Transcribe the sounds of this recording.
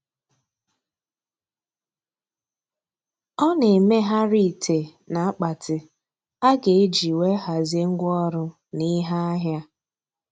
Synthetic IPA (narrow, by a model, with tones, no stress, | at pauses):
ɔ˦ne˨me˦ɦa˦ɾi˦˨tʰe˨ | na˨a˦k͡pa˨tʰɪ˨ | a˦ɡe˨e˦d͡ʒi˨we˦ɦa˨ze˦ŋ̩˦ɡʷɔ˦ɾʊ˦ | ni˦ɦa˦a˦ɦja˦